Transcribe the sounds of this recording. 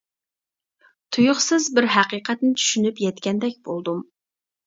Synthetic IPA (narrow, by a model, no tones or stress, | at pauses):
t̪ʰujʊχsɨzbɪɾɦæqiqʰɛt̪nɪt͡ʃʰy̥ʃynypjɛt̪kʲɛnd̪ɛkʲb̥o̰lˠd̪um